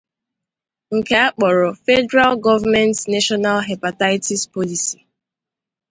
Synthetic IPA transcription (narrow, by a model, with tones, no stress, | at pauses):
ŋ̩˨ke˨a˦k͡pɔ˨ɾɔ˨fɛ˦dɛ˦ɾa˦lɡɔ˦va˦mɛ̃˦ntna˦ʃɔ˦na˦lɦa˨pa˨ta˦ɪti˦spɔ˦li˨si̥˨